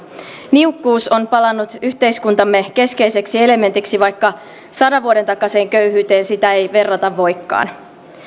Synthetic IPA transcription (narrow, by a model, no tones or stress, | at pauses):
niukːuːso̞npɑlɑnːut̪yçt̪e̞jskunt̪ɑmːe̞k̟e̞ske̞jse̞ksie̞le̞me̞nt̪iksiʋɑjkːɑ | sɑdɑʋʋuoɾe̞nt̪ɑkːˑɑse̞ːŋkø̞yɦyːt̪e̞ːnsit̪æe̞jʋe̞rːɑt̪ɑʋːo̞jkːɑ̰ːn